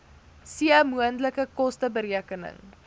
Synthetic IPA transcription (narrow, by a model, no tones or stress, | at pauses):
siəmuəntləkəkɔstəbəɾiəkənə̰ŋ